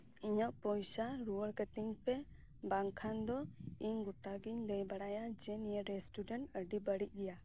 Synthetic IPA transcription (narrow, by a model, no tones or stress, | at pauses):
iɲɔʔpɔjsaɾuwəɽkət̪iɲpɛ | baŋkʰand̪ɔiɲɡuʈaɡiɲləjbaɽajad͡ʒɛnijəɾɛsʈuɖɛɳʈəɖibəɽic̚ɡɛja